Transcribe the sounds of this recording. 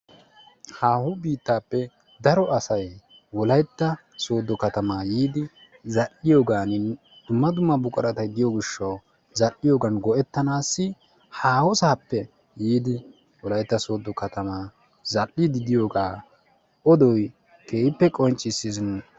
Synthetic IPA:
haːhʊbiːt̪ːaːpːɛ | d̪ɐɾɔɐsɐj | wɔlɐjt̪ːɐ | soːd̪ːɔkɐt̪ɐmaːjiːd̪ɪ | zɐlːɪjoːɡaːnɪn | d̪̥ʊmːɐd̪ʊmːɐbʊkʼɐɾɐt̪ɐjd̪ɪjoɡɪʃːɐw | zɐlːɪjoːɡɐnɡɔʔɛt̪ːɐnaːsːɪ | haːhɔsaːpːɛ | jiːd̪ɪ | wɔlɐjt̪ːɐso̞ːd̪ːɔkɐt̪ɐmaː | zɐlːɪd̪ɪd̪ɪjo̞ːɡaː | ʔɔd̪ɔj | kʰe̞ːjɪpːɛkʼɔnt͡ʃʼːɪsːɪsn

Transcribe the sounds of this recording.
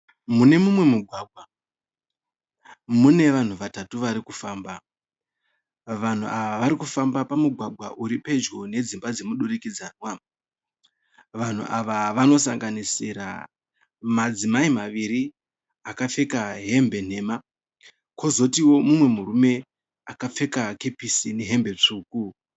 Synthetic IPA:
mune̞mumwe̞muɡʱwaɡʱwa | mune̞ʋan̤uʋatatuʋaɾikufaːmba | ʋan̤uʔaʋaʋaɾikufambapamuɡʱwaɡʱwa̰ʔuɾipe̞d͡ʒɡo̞ne̞d͡zimbad͡ze̞muɗuɾikid͡zaːnwa | ʋan̤ṵʔaʋaʋano̞saŋɡanisiɾa̰ | mad͡zimaimaʋiɾi | akafe̞kaɦe̞mbe̞n̤e̞ːma | ko̞zo̞tiwo̞mumwe̞muɾume̞ | akap͡fe̞kake̞pisineɦe̞mbe̞t͡ʂuːku

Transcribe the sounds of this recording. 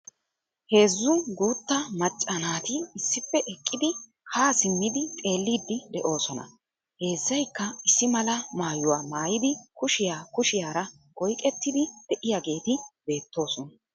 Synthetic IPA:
he̞ːzːʊɡuːt̪ːɐmɐt͡ʃʼːɐnaːt̪ɪːsːɪfːɛʔɛkʼːɪd̪ɪ | kaːsɪmːɪd̪ɪt̪ʼe̞ːlːiːd̪ːɪd̪ɛʔo̞ːsɔnɐ̰ | he̞ːzːɐjkːɐɪsːɪmɐlɐmaːjʊwaːmaːjɪd̪ɪkʊʃɪjaːkʊʃɪjaːɾɐ | kʼɔjkʼɛt̪ːɪd̪ɪd̪̥ɛʔɪjaɡe̞ːt̪ɪbe̞ːt̪ːo̞ːsɔnɐ

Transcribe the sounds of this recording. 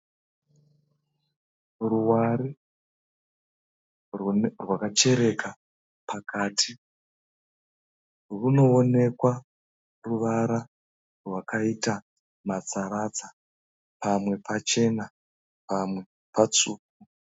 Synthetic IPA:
ruwaɾi | rrwakat͡ʃe̞ɾe̞kʰa | pakʰaːtʰi | runo̞ːne̞kwa | ruʋaɾa | rwakaita | mat͡saɾat͡sḁ | pamwe̞pat͡ʃe̞na | pamwe̞ | pat͡suːk̚u

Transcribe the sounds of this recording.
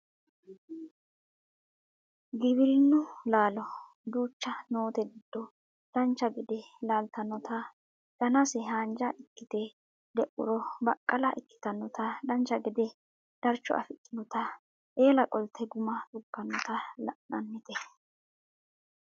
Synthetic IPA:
ɡɪbɪlnːʊlaːlɔ | d̪uːt͡ʃːɐnoːt̪ɛɡɪd̪̥ːɔ | d̪̥ɐnt͡ʃːɐɡɪd̪ɛlaːlt̪ɐnːɔt̪ɐ | d̪̥ɐnɐsɛhaːnd͡ʒɐʔɪkːɪt̪ɛ | d̪ɛʔʊ̰ɾɔbɐkʼːɐlɐʔɪkːɪ̥t̪ɐnːɔt̪ɐd̪ɐnt͡ʃːɐɡɪd̪ɛ | d̪̥ɐɾt͡ʃːɔ̰ʔɐ̰fɪt̪ʼːɪnɔt̪ɐ | ʔeːlɐkʼɔlt̪ʰɛɡʊmɐt̪ʊkːɐnːɔt̪ɐlɐ̰ʔnɐnːɪt̪ɛ

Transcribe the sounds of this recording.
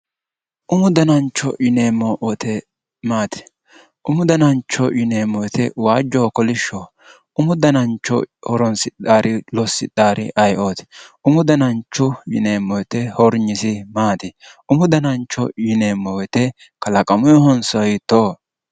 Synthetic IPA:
ʔʊmʊd̪ɐnɐnt͡ʃːɔ̰jɪneːmːɔʔɔt̪ʰɛ | maːt̪ɪ̥ | ʔʊmʊd̪ɐnɐnt͡ʃːɔjɪneːmːɔwt̪ɛwaːd͡ʒːɔːkɔlɪʃːɔ | ʊmʊd̪ɐnɐnt͡ʃːɔ̰hɔɾɔnsɪt̪aːɾʔɪlɔsːɪ̰t̪aːɾɪ̰ʔɐjʔoːt̪ʊmʊd̪ɐnɐnt͡ʃːʊjɪ̰neːmːɔjt̪ɛhɔɾɲɪsɪmaːt̪ɪ | ʊmʊd̪ɐnɐnt͡ʃːɔjɪneːmːɔwɛt̪ɛ | kɐlɐkʼɐmʊjɔɦɔnsɔɪt̪ːoː

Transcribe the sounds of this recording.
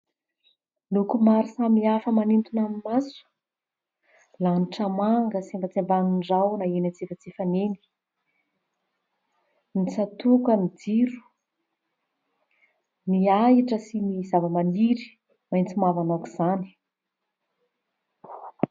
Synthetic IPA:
nukumaɾisamiafəmanint̪unamimasu̥ | laniʈ͡ʂəmaŋɡəsimbat͡sembaniɳɖ͡ʐawnaenant͡sefət͡sefaneni̥ | nisat̪ukamid͡ziɾu̥ | niaɦiʈ͡ʂəsinizavəmaniɾi̥ | majnt͡simavanoku̥z̥ani̥

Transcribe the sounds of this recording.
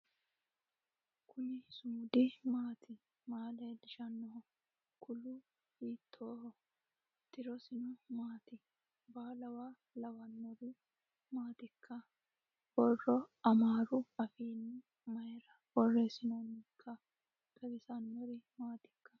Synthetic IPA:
kʰʊnɪsʊmʊd̪ɪmaːt̪ʰɪ | maːled̪ɪʃɐnːɔhɔ | kʰʊlʊ | hiːt̪ʰːoːhɔ | t̪ɪɾɔsɪnʊmaːt̪ɪ | baːlɐwaː | lɐwɐnːɔɾɪ | maːt̪ɪkʰːɐ | bɔrːɔɐmaːɾʊɐfiːnɪ | mɐjɾɐ | wɔrːeːsɪnɔnɪkʰːɐ | kʼɐbɪsɐnːɔɾɪmaːt̪ɪ̥kːɐ̥

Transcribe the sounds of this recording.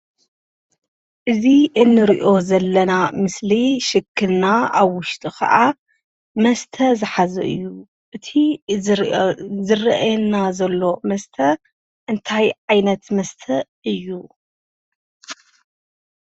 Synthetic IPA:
ʔɨziʔɨnːɨɾiʔo̞zɐlːɐnamɨsliʃɨkʰːɨlnaaβwʊʃt̪ʰʼikʰɐ̰ʔa | mɐst̪ʰɐzɨħazɐ̰ʔɨ̰jːu | ʔɨt̪ʰi | zɨrɐʔjɛnazɐlːo̞mɐst̪ʰɐ | ʔɨnt̪ʰajʕajnɐt̪mɐst̪ʰɐʔɨjːu

